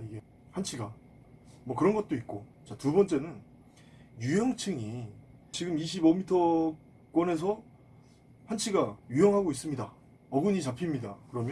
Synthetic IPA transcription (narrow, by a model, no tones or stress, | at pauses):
iɡe̞ | hant͡ɕʰiɡa | mwʌkɯɾʌnɡʌt̚t͈oit̚k͈o | t͡ɕatubʌnt͡ɕ͈e̞nɯn | jujʌŋt͡ɕʰɯŋi | t͡ɕiɡɯmiɕ̬ʰibomitʰʌ | k͈wʌne̞s̬ʰʌ | ɸant͡ɕʰiɡajujʌŋɦaɡois͈ɯmɲida | ʌɡɯɲit͡ɕapʰimɲidakɯɾʌmjʌ